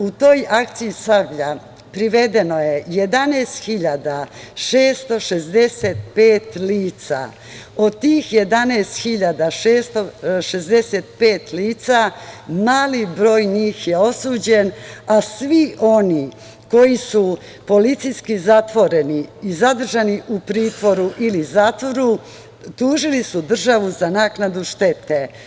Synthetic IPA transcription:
ut̪o̞ːjak̚t̪sijisabʎa | pɾiʋe̞d̪e̞no̞jeje̞d̪aneːst̪xiʎad̪aʃeːst̪o̞ʃezd̪e̞set̪̚peːt̪liːt̪sa̰ | o̞d̪̚t̪iːxjed̪aneːst̪xiʎad̪aʃeːst̪o̞ʃezd̪eset̪peːt̪liːt̪samaːlibɾo̞ːjɲiːxjeo̞suːd͡ʑe̞nasʋiʔo̞ni | ko̞jisu | po̞lit̪sijskizat̪ʋo̞ɾeniizad̪r̩ʒaniʔupɾiːt̪ʋo̞ɾuʔilizaːt̪ʋo̞ɾu | t̪uːʒilisud̪r̩ʒaʋuzanaːknad̪uʃt̪e̞t̪e

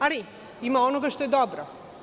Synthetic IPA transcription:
ali | imaonoɡaʃt̪ojed̪obɾo

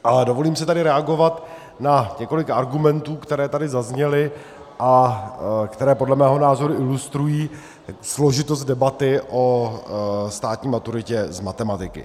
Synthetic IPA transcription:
ʔalɛdo̞vo̞liːmsɪt̪adɪɾɛaɡo̞vat̪ | naɲɛko̞lɪkaɾɡumɛnt̪uːkt̪ɛɾɛːt̪adɪzazɲɛlɪ | ʔa | kt̪ɛɾɛːpodlɛmɛːɦo̞naːzo̞ɾuʔɪlust̪ɾujiː | slo̞ʒɪt̪ost̪̚dɛbat̪ɪʔo | st̪aːt̪ɲiːmat̪uɾɪcɛzmat̪ɛmat̪ɪkɪ̰

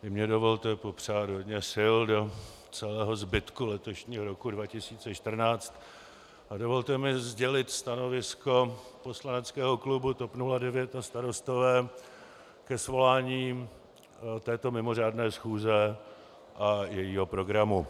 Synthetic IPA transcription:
vɪmɲɛdo̞vo̞lt̪ɛpo̞pr̝aːt̪ɦo̞dɲɛsɪldo̞ | t͡sɛlɛːɦo̞zbɪt̪kulɛt̪o̞ʃɲiːɦoɾo̞kudvacɪsiːt͡sɛʃt̪r̩naːt͡st̪ | ʔadovo̞lt̪ɛmɪzɟɛlɪt̪st̪ano̞vɪsko̞po̞slanɛt͡skɛːɦo̞klubut̪opnuladɛvjɛt̪ast̪aɾo̞st̪o̞vɛː | kɛsvo̞laːɲiː | t̪ɛːt̪o̞mɪmo̞r̝aːdnɛːsxuːzɛ | ʔajɛjiːɦo̞pɾo̞ɡɾamu

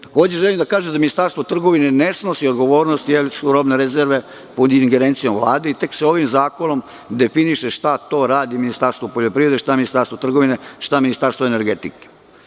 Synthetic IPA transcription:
t̪ḁko̞ːd͡ʑeʒelimd̪akaːʒemd̪aminist̪aːɾst̪ʋo̞t̪r̩ɡo̞ʋinenesno̞siod̪ɡo̞ʋo̞ːɾnost̪jelsuɾobneɾezeɾʋe̞ | pod̪iŋɡeɾent̪sijo̞mvlˠa̰ːd̪eit̪e̞kseo̞ʋimzaːkono̞m | d̪e̞finiʃeʃt̪at̪o̞ɾaːd̪iminist̪aɾst̪ʋopo̞ʎopɾiʋɾe̞d̪eʃt̪aminist̪aɾst̪ʋo̞t̪r̩ɡo̞ʋineʃt̪aminist̪aɾst̪voeneɾɡet̪ike̥

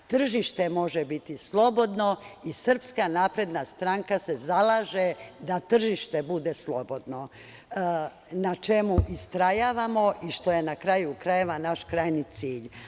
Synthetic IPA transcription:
t̪r̩ʒiʃt̪e̞mo̞ʒebit̪islˠo̞bo̞d̪no̞isr̩pskanaːpɾe̞d̪nast̪ɾaŋkase̞zalˠaːʒed̪at̪r̩ʒiʃt̪e̞bud̪e̞slˠo̞bo̞d̪no̞ | nat͡ʃe̞muʔist̪ɾajaːʋamo̞ʔiʃt̪o̞je̞nakɾajukɾajeʋanaʃkɾajnit̪siːʎ

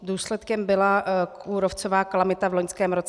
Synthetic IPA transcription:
duːslɛt̪kɛmbɪlauːɾoft͡sovaːkalamɪt̪avloɲskɛːmɾo̞t͡s

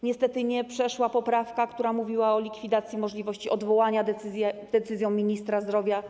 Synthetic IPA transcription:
ɲɛst̪ɛt̪ɘɲɛpʂɛʂwapɔpɾafkakt̪uɾamuvʲiwaɔlʲikfʲid̪at̪sʲjimɔʐlʲivɔɕt͡ɕiʔɔd̪vɔwaɲad̪zʲɛd̪̥ɛt̪sɘzjɔ̃w̃mʲiɲist̪ɾazd̪ɾɔvʲja

